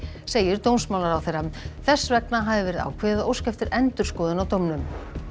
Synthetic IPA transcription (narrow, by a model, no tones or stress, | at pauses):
seːjɪɾt̪ownsmawlaɾawθejɾaθɛsːvɛknaɦaðɪvɛːɾɪða̰ːwkʰvɛɪðaowscɛft̪ɪɾʔɛnt̪ʏɾ̥skɔːðɪnawt̪owmnʏm